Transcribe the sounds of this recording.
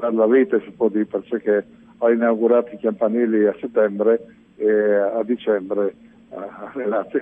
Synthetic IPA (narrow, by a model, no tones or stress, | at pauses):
ad̪laviːt̪esipwɔd̪ipeɾsekːe | ainawɡuɾaːt̪ikampanɛːliaset̪ːɛmbɾeː | ad̪it͡ʃɛmbɾe | arelat̪si